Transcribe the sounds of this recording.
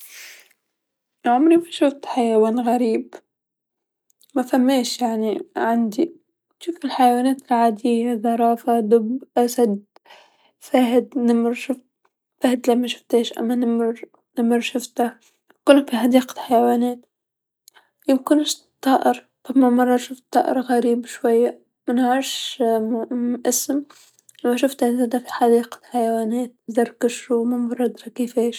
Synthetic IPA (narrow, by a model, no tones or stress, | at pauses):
ʕʊmɾifiʃʊft̪ħajawaːnɣaɾiːb | mafamːeːʃjaʕniʕand̪i | ʃɪkɪlħajawaːnaːt̪ɪlʕaːd̪ɪjːaðɑɾˤɑːfad̪ʊbʔasad̪ | faːɦɪd̪nɪmɾʃʊft̪ | fahɪd̪lamːaʃʊ̥ft̪eːʃʔa̰mːanɪmɾ | nɪmɪɾʃʊft̪a | kʊnafiħad̪iːqḁħajawaːneːt̪ | jɪbkʊnɪʃ | t̪ˤːɑːʔɪɾ | t̪ɑbmamɑrˤːɑʃʊft̪ˤːɑːʔɪ̰ɾɣaɾiːbʃwajːa | mɪnaʕɪʃ | ʔɪsm | lamːaʃ̬ʊft̪anzaːd̪afi̥ħad̪iːqḁħajawaːneːt̪̚zɑɾˤkaʃumamɑɾˤɑd̪ɾˤɑkiːfeːʃ